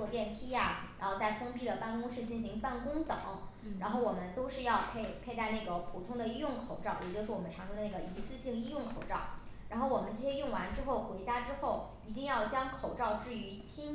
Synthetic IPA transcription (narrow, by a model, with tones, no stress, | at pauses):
ɔ˥˧t̪jɛ˥˩nt̪ʰi˥ja˨ɻa˧˥nxo˥˧ʊt͡sa˥˩ɪfɤ˥ŋpi˥˩d̪ə˩pa˥˩nkʊ˥ŋʂɻ̩˥˧t͡ɕi˥˩nɕi˧˥ŋpa˥˩nkʊ˥ŋt̪ɤ̰˨˩˦ŋ | a˧˥nxo˥˩ʊwɔ˨˩mə˦nt̪o˥ʊʂɻ̩˥˧jɑ˥˧ʊpʰe˥˧ɪpʰe˥˧ɪt̪a˥˧ɪna˥˩ɡə˩pʰu˨˩t̪ʰʊ˥ŋd̪ə˨i˥jʊ˥˩ŋkʰo˨˩ʊʈ͡ʂɑ˥˩ʊjɛ˨˩t͡ɕjo˥˧ʊʂɻ̩˥˩wmə˦nʈ͡ʂʰɑ˧˥ŋʈ͡ʂʊ˥d̪ə˧na˥˩ɡə˩i˧˥sɹ̩˥˧ɕi˥˩ŋi˥jʊ˥˩ŋkʰo˨˩ʊʈ͡ʂɑ˥˩ʊ | ɻa˧˥nxo˥˩ʊwɔ˨˩mə˦nʈ͡ʂɤ˥˩ɕjɛ˥jʊ˥˩ŋwa˧˥nʈ͡ʂɻ̩˥xo˥˩ʊxwe˧˥ɪt͡ɕja˥ʈ͡ʂɻ̩˥xo˥˩ʊ | i˧˥t̪̬i˥˧ŋjɑ˥˩ʊt͡ɕjɑ˥ŋkʰo˨˩ʊʈ͡ʂɑ˥˧ʊʈ͡ʂɻ̩˥˩y˧˥t͡ɕʰi˥ŋ